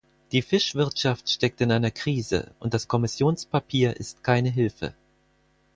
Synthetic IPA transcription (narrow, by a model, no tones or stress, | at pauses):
d̥iːfɪʃv̥ɪɐtʃaftʃtɛk̚tɪnʔaɪnɐkʁ̥iːzə̰ʔʊntd̥askʰɔmɪsjoːnspapʰiːɐʔɪstkʰaɪnəɦɪlfə̰